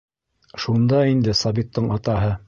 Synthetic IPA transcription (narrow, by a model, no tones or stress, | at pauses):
ʃund̪ɑind̪ɘsɑβit̪ːɤɴɑt̪ɑɦɤ